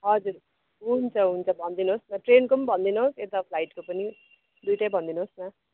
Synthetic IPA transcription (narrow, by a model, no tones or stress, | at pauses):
ɦʌd͡zuɾ | ɦunt͡sʰʌɦunt͡sʰʌbʱʌnd̪inɦosnʌʈrenkumbʱʌnd̪inɦoset̪ʌpʰlajʈkopʌni | d̪ujʈabʱʌnd̪inosnʌ